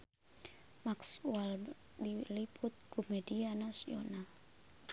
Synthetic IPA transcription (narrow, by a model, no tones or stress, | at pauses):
maksual | dilipʰut̪̚kumɛdianasiɔ̰na